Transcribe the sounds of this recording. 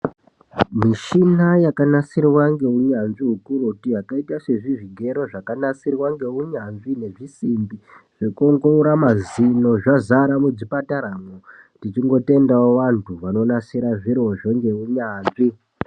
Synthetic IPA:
miʃinajakanasirwaŋɡe̞uɲanʐiɦukuɾotijakaitaʂe̞ʐiʐiɡʱe̞ɾo̞ʐakanasirwaŋɡe̞uɲanʐine̞ʐisimbiʐ̥ekoŋɡouɾamazino̞ʐazaɾamud͡zipataɾamo | tit͡ʃiŋɡo̞te̞ndaoʋantʰuʋano̞nasiɾaʐiɾoʐoŋɡe̞uɲaːnʐi

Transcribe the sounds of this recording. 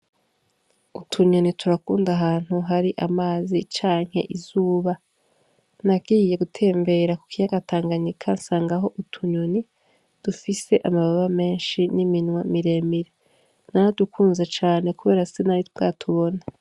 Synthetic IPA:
utʰuɲo̞nitʰuɾakuːndaɦaːn̥huɦaɾiʔamaːzit͡ʃaːŋhe̞̰ʔizuːβa | nabɡiːje̞ɡutʰe̞ːmbe̞ɾaku̥kijaɡatʰaːŋɡaɲikʰansaːŋɡaɦo̞ʔutʰuɲoni | d̥ufise̞ʔamaβaβame̞ːnʃiniminwamiɾe̞ːmiɾe | naɾadukʰuːnzet͡ʃaːne̞kuβe̞ːɾasenaɾitɡa̰ːtʰuβo̞na

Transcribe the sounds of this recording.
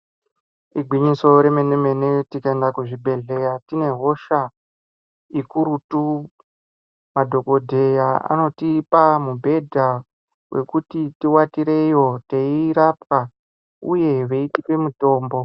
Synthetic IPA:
iɡʱwiɲiso̞ɾe̞meneme̞netikaendakuʐibʱe̞ɮe̞jatine̞ɦo̞ʃa | ikuɾutu | madʱo̞ko̞dʱe̞jaa̰no̞tipamubʱe̞dʱa | wʔe̞kutitiwatiɾe̞jo̞te̞iiɾap̚a | uje̞ʋe̞itipe̞muto̞ːmbo̞

